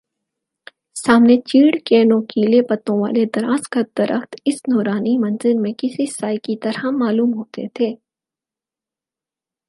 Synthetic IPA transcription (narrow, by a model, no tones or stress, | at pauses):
saːmnet͡ʃiːɽkeːnõːkiːlepɐt̪ːõʋa̰ːled̪ɐɾa̰ːzkɐd̪ɐɾʔəxt̪ɪsnɔːɾaːnimɐ̃nzɪɾmẽkɪsisaːjkit̪ɐɾãmaːluːmɦoːt̪ḛt̪ʰeː